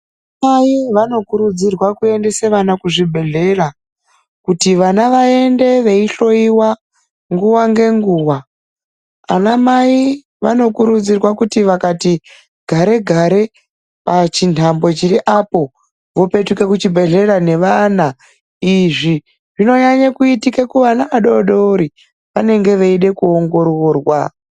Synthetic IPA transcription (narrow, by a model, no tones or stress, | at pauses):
maiʋano̞kuɾud͡zirwakue̞nde̞se̞ʋanakuʐibʱe̞ɮe̞ra | kutiʋanaʋae̞nde̞ʋe̞iɬo̞iwa | ŋɡuwaŋɡe̞ŋɡuːwa | a̰namai | ʋa̰no̞kuɾud͡zirwakutiʋakati | ɡʱaɾe̞ɡʱaɾe̞ | pat͡ʃintʰambo̞t͡ʃiɾiʔapo̞ | ʋo̞pe̞tuke̞kut͡ʃibʱe̞ɮeɾane̞ʋana | iʐi | ʐino̞ɲaɲakuitikekuʋanaʋaɗo̞ɗoɾi | ʋane̞ŋɡe̞ʋeiɗe̞kuo̞ŋɡo̞ɾoːrwa